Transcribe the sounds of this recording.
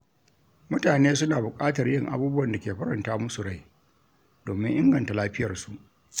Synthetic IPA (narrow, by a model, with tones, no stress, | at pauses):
mʊ˦taː˨neː˦s̬ʊ˦naː˨bʊ˨kʼaː˦tɐ˨rjɪ˦˨ŋʔa̰˨˦buː˦bʊ˦wɐ˨nda˨kʲeː˨ɸɐ˦ɾɐ˨ntaː˦mʊ˦su˨ɽa˦˨j | d̥oː˨mɪ˦ŋʔɪ˦ŋɡɐ˨nta˨laː˦ɸɪ˦jɐ˨rsu˨ʔ